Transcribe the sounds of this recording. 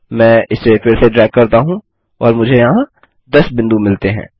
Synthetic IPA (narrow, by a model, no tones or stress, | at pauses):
mɛ̃ːɪsːefɪɾseɖɾɛːk̚kɐɾt̪aɦũ | ɔːɾmʊd͡ʒʱejɐɦã | d̪ɐsbɪ̃nd̪umɪlt̪eɦɛ̰̃ː